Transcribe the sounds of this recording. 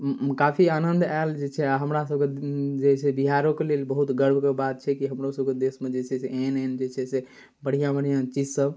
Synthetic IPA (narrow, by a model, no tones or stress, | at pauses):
kapʰianənd̪ʱald͡ʒet͡ʃʰɛaɦəmɾasəb̚ked͡ʒesɛbiɦaɾõkelelbəɦut̪ɡəɾbʱkebat̪̚t͡ʃʰɛkiɦəmɾosəb̚ked̪esmed͡ʒet͡ʃʰɛseenend͡ʒet͡ʃʰɛse | bəɽ̤ijãbəɽ̤ijãt͡ʃid͡ʒsəb